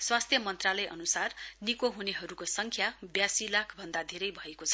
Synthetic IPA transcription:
swast̪ʰjʌmʌnt̪ralʌjʔʌ̰nusarnikoɦuneɦʌɾukosʌŋkʰjabjasilakʰbʱʌnd̪ad̪ʱeɾʌjbʱʌekot͡sʰʌ

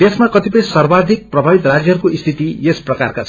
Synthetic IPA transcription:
esmakʌt̪ipʌj̃sʌrbad̪ʱik̚prʌbʱabit̪rad͡zjʌɦʌɾukoist̪ʰit̪iesprʌkarkat͡sʰ

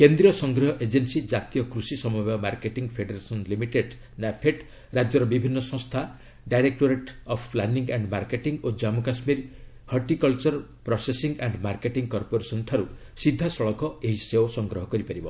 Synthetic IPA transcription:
kend̪ɾijɔsɔŋɡɾɔɦɔʔed͡ʒensid͡ʒat̪ijɔkɾusisɔmɔbamaɾkeʈiŋɡpʰeɖeɾesɔnlimiʈeɖ | napʰeʈ | ɾad͡ʒjɔɾɔbibʱinːɔsɔ̃ŋst̪ʰa | ɖajɾek̚ʈoɾeʈɔpʰplaniŋɡaɳɖmaɾkeʈiŋɡod͡ʒamukasmiɾ | hɔɾʈikɔlt͡ʃɔɾpɾɔsesiŋɡaɳɖmaɾkeʈiŋɡkɔɾpoɾesɔnʈʰaɾu | sid̪ʱːasɔɭɔkɔeɦiseosɔŋɡɾɔɦɔkɔɾipaɾibɔ

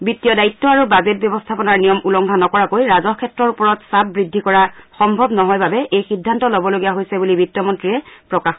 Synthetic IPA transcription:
bitijɔdaitːɔaɹubazet̚bjɔbɔstʰapɔnaɹnijɔmulɔŋɡʱanɔkɔɹakojɹazɔkʰɛtɹɔɹupɔɹɔtsap̚bɹidʱːikɔɹaxɔmbʱɔbnɔɦɔjbabɛʔejxidʱːantɔlobɔloɡijaɦojsɛbulibitijɔmɔntɹiɛpɹɔkax

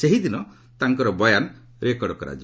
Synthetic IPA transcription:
seɦid̪inɔ | t̪aŋkɔɾɔbɔjan | ɾekɔɽɔkɔɾa̰d͡ʒ

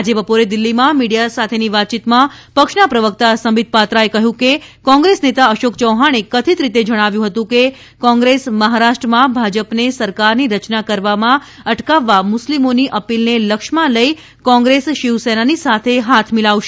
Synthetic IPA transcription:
ad͡ʒebəpoɾed̪ɪlːimãmiɽijasat̪ʰeniʋat̪̚t͡ʃit̪mãpəkʃnapɾəʋəkt̪asəmid̪̚ʱpat̪ɾaekəɦjũkekɔ̃ŋɡɾesnet̪aəʃokt͡ʃəwɦaɳ̃ekət̪ʰit̪ɾit̪ed͡ʒəɽ̃aʋjũɦət̪ũke | kɔ̃ŋɡɾesməɦaɾaʃʈɾəmãbʱad͡ʒəpnesəɾkaɾniɾət͡ʃnakəɾʋamã | əʈkaʋːamʊslimoniʔəpilneləkʃmãləi | kɔ̃ŋɡɾesʃɪʋsenanisat̪ʰeɦat̪ʰmilaʋʃe

